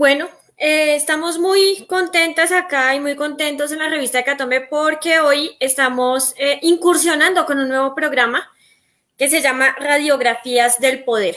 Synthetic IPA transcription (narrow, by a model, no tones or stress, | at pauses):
bwe̞no | eːst̪amo̞zmujko̞nt̪e̞nt̪asakaimujko̞nt̪e̞nt̪o̞s̬e̞nlare̞βist̪aðekat̪o̞mbe̞po̞ɾke̞o̞jest̪amo̞seʔiŋkuɾsjo̞nãnd̪o̞ko̞nunːwe̞βo̞pɾo̞ɣɾama | ke̞s̬e̞ʝamaraðjo̞ɣɾafiazd̪e̞lpo̞ð̞e̞ɾ